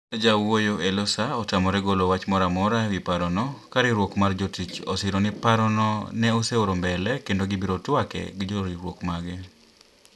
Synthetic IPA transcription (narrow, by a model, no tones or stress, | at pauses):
d͡ʒawojoʔelɔsaɔtamɔɾɛɡolowat͡ʃmɔɾamɔɾawipaɾɔnɔkaɾɪɾwokmard͡ʒotit͡ʃɔ̰sɪɾonɪpaɾɔnɔnɛoseoɾombɛlɛkendoɡɪbiɾotwakɛ̰ɡɪd͡ʒoɾiɾwokmaɡɪ